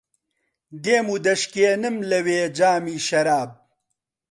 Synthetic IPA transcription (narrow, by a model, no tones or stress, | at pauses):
d̪eːmuːd̪ɐʃkeːnɨmlɐweːd͡ʒaːmiːʃɐɾaːb̚